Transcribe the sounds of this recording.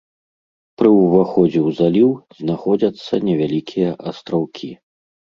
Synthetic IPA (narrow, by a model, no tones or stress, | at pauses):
pɾɨwvaxɔd͡zʲɛwzalʲiwznaxɔd͡zʲɐt̪sːɐnʲɛvʲalʲikʲʰijɐʔɐst̪ɾawkʲʰi